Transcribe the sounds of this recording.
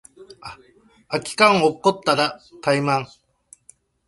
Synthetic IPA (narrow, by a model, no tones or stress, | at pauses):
a | akʲi̥kãɰokːot̪ːaɾat̪aimãŋ